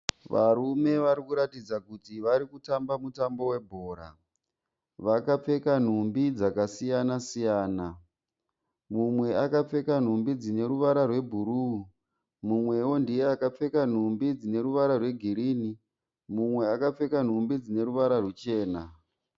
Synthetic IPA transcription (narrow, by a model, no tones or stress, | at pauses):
ʋa̰ɾume̞ʋaɾikuɾatid͡zakutiʋaɾikutambamutambo̞we̞bʱoːɾa̰ | ʋakap͡fe̞kan̤umbid͡zakasijanasijaːna | mumwe̞akap͡fe̞kan̤umbid͡zine̞ɾuʋaɾarwe̞bʱuɾu | mumwe̞wo̞ndijeakap͡fe̞kan̤umbid͡zine̞ɾuʋaɾarwe̞ɡʱiɾiːni | mumwe̞akap͡fe̞kan̤umbid͡zine̞ɾuʋaɾarwet͡ʃe̞ːna